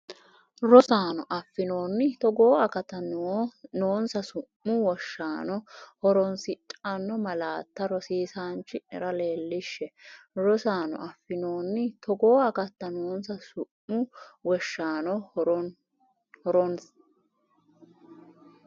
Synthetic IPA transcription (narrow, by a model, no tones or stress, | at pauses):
ɾɔsaːnɔʔɐfːɪnoːnːɪt̪ɔɡo̞ːɐkɐt̪ːɐnnoːnsɐsʊmːʊwɔʃːaːnɔhɔɾɔnsɪtʼɐnːɔmɐlaːt̪ːɐɾɔsiːsaːnt͡ʃːɪnɛ̰ɾɐle̞ːlːɪʃːɛɾɔsaːnɔ̰ʔɐfːɪno̞ːnːɪt̪ʰɔɡoːɐkɐt̪ːɐnoːnsɐsʊmːʊwɔʃːaːnɔ | hɔɾɔns